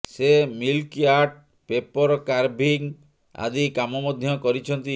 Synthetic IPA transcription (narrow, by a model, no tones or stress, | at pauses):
semilkiaɾʈ̚ | pepɔɾɔkaɾbʱiŋ | a̰d̪ikamɔmɔd̪ʱjɔkɔɾit͡ʃʰɔnt̪i